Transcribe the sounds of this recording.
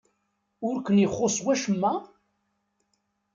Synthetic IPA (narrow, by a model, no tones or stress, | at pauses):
ʊɾkʷənjəχːosˤwæʃəmːæ